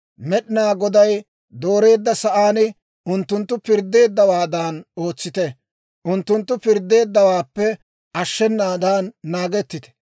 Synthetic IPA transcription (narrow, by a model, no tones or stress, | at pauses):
mɛɗɪnaːɡɔd̪ɐj | d̪o̞ːɾe̞ːd̪ːɐsɐʔaːnɪ | ʔʊnt̪ːʊnt̪ːʊpɪɾd̪ːe̞ːd̪ːɐwaːd̪aːno̞ːt͡sːɪt̪ɛ | ʔʊnt̪ːʊnt̪ːʊpɪɾd̪ːe̞ːd̪ːɐwaːpːɛ | ʔɐʃːɛnːaːd̪aːnːaːɡɛt̪ːɪt̪ɛ̥